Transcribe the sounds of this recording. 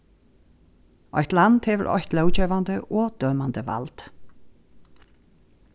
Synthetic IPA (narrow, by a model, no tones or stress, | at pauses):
ɔ̰jht̪land̪̥hɛvə̰ɾɔ̰ht̪lœwt͡ʃɛːvand̪əʔɔd̪̥œːmand̪əva̰lt̪